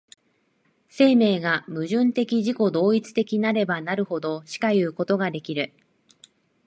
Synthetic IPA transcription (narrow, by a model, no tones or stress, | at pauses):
se̞ːme̞ːɡamɯ̟ʑɨ̃nt̪e̞kʲiʑiko̞d̪o̞ːit͡sɨ̥t̪e̞kʲinaɾe̞banaɾɯ̟ho̞d̪o̞ɕi̥kajɯ̟ːko̞t̪o̞ɡad̪e̞kʲiɾɯ̟